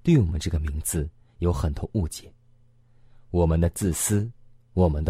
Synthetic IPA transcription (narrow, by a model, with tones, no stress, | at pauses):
t̪we˥˩ɪwɔ˨˩mə̰˦nʈ͡ʂɤ˥˩ɡə˩mi˧˥ŋd͡zɹ̩˧ | jo˧˥ʊxə˨˩nt̪ʰo˧˥ʔu˥˧t͡ɕjɛ˨˧˩n | wɔ˨˩mə˦nd̪ə˧t͡sɹ̩˥˩sɹ̩˥ | wɔ˨˩mə˦nd̪ə˧